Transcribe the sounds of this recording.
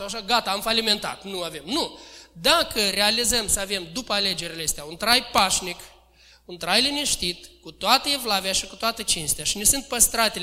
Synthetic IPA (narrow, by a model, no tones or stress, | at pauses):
sawaʃ̬aɡat̪aːmfalime̞nt̪a̰t̪nuave̞mnud̪akʰəɾe̞alizəmsəave̞md̪upəale̞d͡ʒeɾileest̪eaunt̪ɾajpaʃnik | unt̪ɾajliniʃt̪it̪kut̪oat̪əevlaveaʃikut̪oat̪ət͡ʃinst̪eaʃinesɨnt̪̚pəst̪ɾat̪e